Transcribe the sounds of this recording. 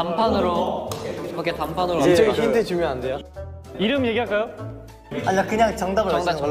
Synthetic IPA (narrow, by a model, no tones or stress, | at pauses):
ampʰanɯɾo | kaketampʰanɯɾoet͡ɕ͈eɡiçindɯt͡ɕumjoandea | iɾɯmje̞ɡiɦaɭk͈ajo | aɲakɯɲaŋt͡ɕaŋdabɯɭ